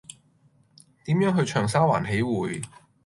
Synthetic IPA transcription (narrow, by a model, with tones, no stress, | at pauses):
t̪iː˨˥mjœː˨˥ŋɦɵ˧ɥt͡ʃʰœː˨˩ŋsaː˥wa̰ː˨˩nɦe˨˥jwuː˨˧j